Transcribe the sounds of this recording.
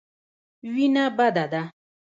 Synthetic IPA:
ɥinãbadada

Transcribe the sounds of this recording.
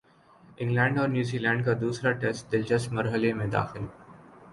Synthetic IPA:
ɪ̃ŋɡlɛ̃ːɳɖɔːɾnjuːziːlɛ̃ːɳɖkad̪uːsɾaʈesʈ̚d̪ɪld͡ʒəsmɐɾɦəlemẽd̪a̰ːxɪl

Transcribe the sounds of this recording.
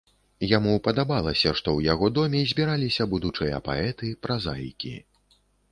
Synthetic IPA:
jamupɐd̪abalˠɐsʲɐʂt̪ɔwjaɣɔd̪ɔmʲɛzʲbʲiɾalʲisʲɐbud̪ut͡ʂɨjɐ̰pa̰ɛt̪ɨpɾʔaza̰jkʲḭ

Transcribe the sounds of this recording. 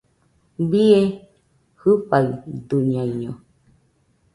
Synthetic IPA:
bie | hɨɸaɯd̪uɲãiɲõ

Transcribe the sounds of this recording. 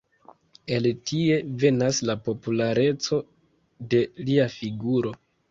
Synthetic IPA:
e̞ltʰie̞ve̞naslapo̞pulaɾe̞t͡so̞ | de̞liafiɡuɾo̞

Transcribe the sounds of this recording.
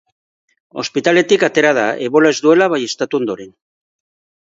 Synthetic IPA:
o̞̰spit̪ale̞t̪ikat̪e̞ɾað̞aʔeβo̞lae̞zd̪ue̞laβaje̞st̪at̪uo̞nd̪o̞ɾen

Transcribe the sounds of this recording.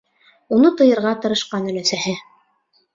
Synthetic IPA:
unɤt̪ɤ̆jɤ̆ɾʁɑt̪ɤ̆ɾɤ̆ʃqɑnɵ̆læsæhɘ

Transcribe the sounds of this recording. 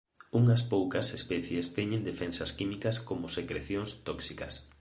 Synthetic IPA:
uŋɐspowkɐsespɛθjest̪ɛɲẽnd̪efɛnsɐskimikɐskomʊsekɾeθjoŋst̪oksikɐ̰s

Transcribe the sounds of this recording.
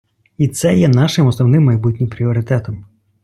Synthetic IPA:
it̪sɛjɛnɑʃɪmɔsnɔwnɪmːɐjbut̚ʲnʲɪmpɾʲiɔɾɪt̪ɛt̪ɔm

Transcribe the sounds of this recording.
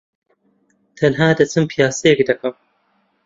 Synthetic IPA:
t̪ʰɐnɦaːd̪ɐt͡sʰɨmpʰijaːsɐjɛkd̪ɐkɐm

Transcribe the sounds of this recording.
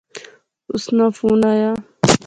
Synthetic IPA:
ʊsnãfuːnaːjaː

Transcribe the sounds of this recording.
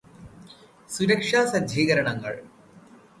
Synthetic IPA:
suɾɐkʂaːsɐd̪ʱiːɣɐɾɐɳɐŋːɐ̰ɭ

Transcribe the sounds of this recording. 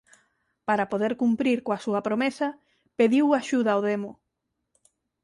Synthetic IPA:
paɾapoðeɾkumpɾiɾkoasuɐpɾomesɐ | peðiwaʃuðaoðemʊ

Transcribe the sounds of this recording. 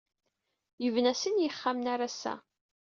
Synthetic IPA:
jəvnæsənjəχːamnaɾasːæ̰

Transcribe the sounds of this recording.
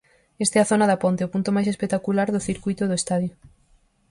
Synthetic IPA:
est̪eɛɐθonɐðɐpont̪eopunt̪omajs̬espek̚t̪akulaɾðʊθiɾkujt̪ʊðʊest̪aðjo

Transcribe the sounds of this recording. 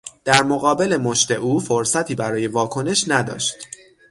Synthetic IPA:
d̪̥æɾmo̞ɣɒːbe̞le̞mo̞ʃt̪e̞ʔuːfoɾsæt̪ʰiːbæɾɒːje̞vɒːkʰo̞ne̞ʃnæd̪ɒ̰ːʃt̪

